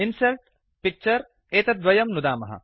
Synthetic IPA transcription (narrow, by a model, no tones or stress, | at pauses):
insɐlʈ̚ | pik̚t͡ʃɐɾ | eːt̪ɐd̪ʋɐjɐmnud̪aːmɐɦɐ̰